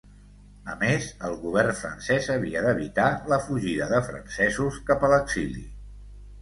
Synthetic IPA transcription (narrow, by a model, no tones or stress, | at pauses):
əmezəlˠɣuβ̞ɛrnfɾə̰nsɛzəβiəd̪əβit̪aləfuʒiðəðəfɾə̰nsɛzuskapələkzilḭ